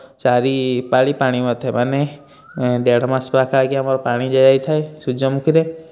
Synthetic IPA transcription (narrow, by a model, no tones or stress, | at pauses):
saɾipaɭipaɽ̃imat̪ʰamane | d̪ɛɽɔmaspakʰaɡiamaɾɔpaɽ̃id͡ʒajajt̪ʰaesud͡ʒɔmukʰiɾe